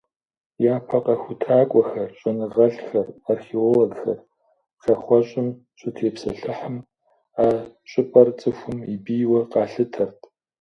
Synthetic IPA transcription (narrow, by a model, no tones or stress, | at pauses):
jaːpʰɐqʼɐxʷʊtʰaːkʷʼɔxɐrɕʼɐnɨʁɐɬxɐrarxiwɔlɐɡxɐ̰r | xɐχʷɔɕʼɪm | ɕʷʼʊtʰeːpsɐɬɨħəm | aːɕʼɪpʼɐrt͡sʼɨxʷʊmibijwɐqɑːɬɨtʰɐrtʰ